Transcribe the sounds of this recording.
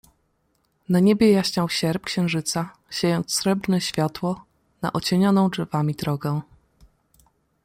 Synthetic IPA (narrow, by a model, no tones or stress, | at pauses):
naɲebʲɛjaɕɲawɕɛɾp̚kɕɛ̃w̃ʐɘt̪sa | ɕejɔnt̪ssɾɛbɾnɛɕfʲjat̪wɔ | na̰ʔɔt͡ɕeɲɔnɔ̃w̃ʐɛvamʲid̪ɾɔɡɛ